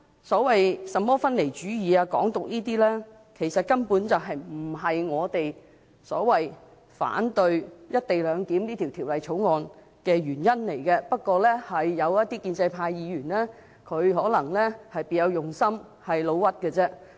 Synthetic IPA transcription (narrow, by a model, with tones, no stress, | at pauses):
sɔː˨˥wɐ˨jsɐ˨mːɔː˥fɐ˥nle˨˩jt͡ʃyː˨˥jiː˨˧aː˧kɔ̰ː˨˥ŋt̪ʊ˨k̚niː˥t̪iː˥lɛː˥ | kʰe˨˩jsɐ˨t̚kɐ˥npuː˨˥nt͡sɐ˨˩wɦɐ˨jm̩˨˩ɦɐ˨jŋɔː˨˧t̪e˨j | sɔ̰ː˨˥wɐ˨j | fa̰ː˨˥nt̪ɵ˧ɥjɐ˥t̚t̪e˨jlœː˨˧ŋk̪iː˨˥mniː˥t̪ʰiː˨˩wt̪ʰiː˨˩wlɐ˨jt͡ʃʰo˨˥wŋɔː˨n | kɛː˧ɥyː˨˩njɐ˥nle˨˩jkɛː˧pɐ˥t̚kɔː˧lɛː˥hɐ˨jːɐ˨˧wjɐ˥t̪̚iː˥kiː˧nt͡sɐ˧jpʰaː˧jjiː˨˧jyː˨˩nlɛː˥ | kʰɵ˨˧ɥɦɔː˨˥lɐ˨˩ŋlɛː˥hɐ˨jpiː˨jɐ˨˧wjʊ˨ŋsɐ˥m | hɐ˨jlo˨˧wwɐ˥t̚kɛː˧t͡sɛː˥